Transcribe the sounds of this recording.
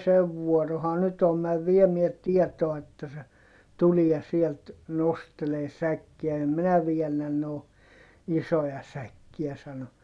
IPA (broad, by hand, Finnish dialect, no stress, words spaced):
seʋ ʋuɔrohɑ nyt om mæʋ ʋiemiɛ tiɛtoɑ etːæ se tuliɛ sielt nosteleː sækːiæ em minæ ʋiɛnːæn noː isojɑ sækːiæ sɑno